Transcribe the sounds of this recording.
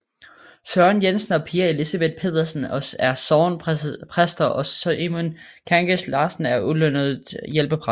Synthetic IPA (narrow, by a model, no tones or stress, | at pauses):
sɶɐnjensn̩ɒ̽pʰiːɐe̝lisɐb̥e̝d̥̚pʰe̝ːð̞ˠɐsn̩ɒæɐsɒːnpʰʁasd̥ɐʔɒ̽sʔemon | kʰɑŋɡ̥eslɑ̈ːsn̩æɐulønð̞ˠjelb̥əpʰʁɑ